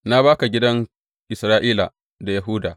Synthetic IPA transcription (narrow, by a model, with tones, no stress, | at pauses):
na˦baː˦ka˨ɡʲɪ˦dɐ˦ŋ | ʔɪ˨sɾaː˦ʔiː˦la̰˨ | da˨ja˨ɦʊ˦daː˨